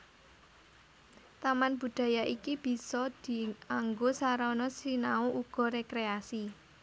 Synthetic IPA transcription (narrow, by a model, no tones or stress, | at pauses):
t̪amanb̥ṳd̪̥ä̤jaʔikib̥i̤sɔd̪̥i̤aŋɡosaɾanɔsinauʔuɡ̥ɔ̤ɾekɾeasi